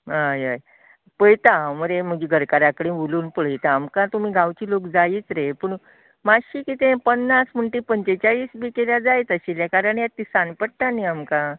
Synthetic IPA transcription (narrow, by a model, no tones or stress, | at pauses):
ɦajəj | pəɭt̪aməɾem̤əɡiːɡʱəɾkaɾakɽĩʋuluːnpəɭ̤jt̪aːmkãt̪umiːɡʱawt͡ɕiːlokd͡zaiːt͡sɾepəɳ | maɕiːkit̪ẽpənːasm̤əɳʈiːpəɲt͡ɕet͡ɕaɭiːsbiːkeljad͡zajt̪əɕeljakaɾəɳjat̪ːisanpəɽ̚ʈ̪aniamkã